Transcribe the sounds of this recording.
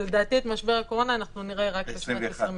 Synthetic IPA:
led̪aːt̪iet̪maʃbe̞ʁako̞ʁo̞naːnaχnuniʁeʁakleʃoesʁim

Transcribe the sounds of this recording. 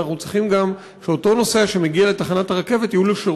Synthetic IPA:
aχnut͡sʁiχimɡam | ʃeoto̞no̞seaʃe̞meɡiale̞taχanataʁake̞ve̞tijuleʃe

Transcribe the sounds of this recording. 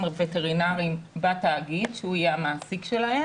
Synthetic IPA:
mveteʁinaʁimbataːɡidʃeuajeamaːsikʃelahe

